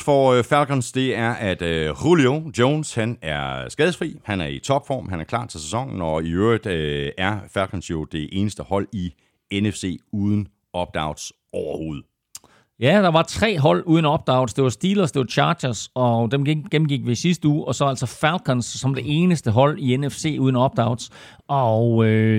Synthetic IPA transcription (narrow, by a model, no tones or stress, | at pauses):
fɒfælɡ̥ʰɒnsd̥e̝æɐʔæd̥ʁuliod̥joːnshænæɐsɡ̥ɛːð̞ˠəfʁḭːhænæɐit͡sʰɒ̽b̥fɒ̰ːmɦænæɐkʰlɑ̰̈ːt͡sʰe̝lsesɒ̽ŋ̰n̩ɒiøɐid̥æɐfælkʰɒnsjo̝d̥e̝ʔe̝ːnəsd̥əhɒ̽l̰i | enefse̝̰ːuːð̞ˠən̩ | ɒ̽b̥̚d̥ɑ̈ʊd̥s | ɒʊɐho̝ːð̞̩ˠ | jæd̥ɑ̈ʋɑ̈t͡sʰʁɛ̰ːɦɒ̽l̰uːð̞ˠn̩ɒ̽b̥̚d̥ɑ̈ʊd̥sd̥e̝ʋɑ̈sd̥iːlɐsd̥e̝ʋɑ̈t͡ɕʰɑ̈ːd̥ɐsɒ̽d̥emɡ̥emn̩ɡ̥iɡ̥̚ʋisisd̥əuːʔɒ̽sɒ̽æl̰sɒfælkʰɒnsːɒ̽md̥e̝ʔe̝ːnəsd̥əɦɒ̽l̰ienefse̝̰ːuːðˠn̩ɒ̽b̥̚d̥ɑ̈ʊd̥s | ɒø